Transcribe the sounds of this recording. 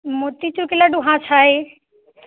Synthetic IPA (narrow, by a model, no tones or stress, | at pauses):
mot̪it͡ɕuɾkɪlaɖuɦãt͡ʃʰaːɦe